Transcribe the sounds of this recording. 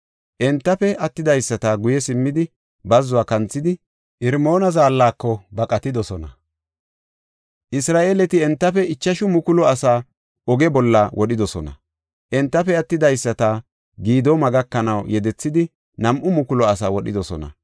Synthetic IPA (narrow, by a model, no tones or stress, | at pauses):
ʔɛnt̪ːɐpɛʔɐt̪ːɪd̪ɐjsːɐt̪aːɡʊjɛsɪmːɪd̪ɪ | bɐzːʊaːkɐnt͡sːɪd̪ɪ | ʔɪɾmo̞ːnɐzaːlːaːkːɔbɐkʼɐt̪ɪd̪ɔsɔnɐ | ʔɪsɾaːʔeːlɛt̪ɪɛnt̪ːɐfɛɪt͡ʃːɐʃʊmʊkʊlɔɐsaː | ʔɔɡɛbɔlːɐwʔɔɗɪd̪ɔsɔnɐ̰ | ʔɛnt̪ːɐfɛɐt̪ːɪd̪ɐjsːɐt̪aː | ɡiːd̪oːmɐɡɐkːɐnɐwjɛd̪ɛt͡sːɪd̪ɪ | nɐmʔʊmʊkʊlɔɐsaːwɔɗɪd̪ɔsɔ̰nɐ̰